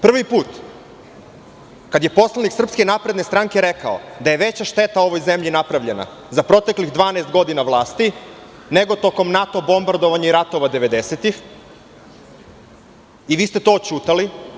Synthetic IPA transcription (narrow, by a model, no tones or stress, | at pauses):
pr̩ʋipuːt̪ | kad̪je̞po̞slˠaniksr̩pske̞napɾe̞d̪ne̞st̪ɾaŋke̞ɾe̞kaod̪ajeʋet͡ɕaʃt̪e̞t̪ao̞ʋojze̞mʎinapɾaʋʎe̞na̰ | zapɾo̞t̪e̞kliɣd̪ʋaːnest̪̚ɡo̞d̪inaʋlˠaːst̪i | ne̞ɡot̪o̞ko̞mnat̪o̞bo̞mbaɾd̪o̞ʋaɲaiɾat̪o̞ʋad̪eʋe̞d̪e̞set̪ix | iʋiːst̪e̞t̪o̞ːt͡ʃuːt̪ali